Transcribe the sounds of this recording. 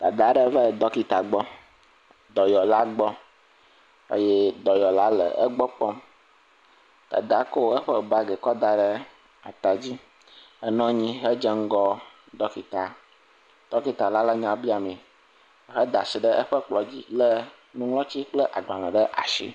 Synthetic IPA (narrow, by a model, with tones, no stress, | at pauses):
t̪a˨d̪a˦ɖə˦və˦d̪ɔ˦ki˨t̪a˨ɡ͡bɔ˦ | d̪ɔ˨jɔ˨la˦ɡ͡bɔ˦ | ə̰˦je˦d̪ɔ˨jɔ˨la˦lə̰˨ə˦ɡ͡bɔ˦k͡pɔ˦m | t̪a̰˨d̪a˨˦ko˦ə˦ɸə˦ba˦ɡɛ˨kɔ˦d̪a˨ɖə˦ | a̰˨t̪a˨d͡ʑi˦ | ə˦nɔ̃˦ɲĩ˦ɦə˦d͡ʒə˦ŋ̩˦ɡɔ˦ | d̪ɔ˦ki˨t̪a˨ | d̪̥ɔ˦ki˦t̪a˨la˦lə˦ɲã˨bi˦a˨mĩ˨˦ | ɦə˦d̪a˨si˨ɖə˦ʔə˦ɸə˦k͡plɔ˨d͡ʑḭ˦lə˦ | nũ˦ŋlɔ̃˦t͡ɕi˦k͡plə˦ʔa˨ɡ͡bla˨lɛ̃˨ɖə˦ʔa̰˨ʃḭ˦